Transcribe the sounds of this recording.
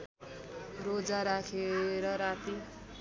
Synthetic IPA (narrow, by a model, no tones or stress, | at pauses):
rod͡zaɾakʰeɾʌɾat̪i